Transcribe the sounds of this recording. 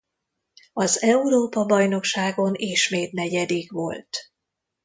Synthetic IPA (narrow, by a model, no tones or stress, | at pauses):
ɒzɛuɾoːpɒbɒjno̞kʃaːɡo̞niʃmeːt̪nɛɟɛd̪iɡʋo̞lt̪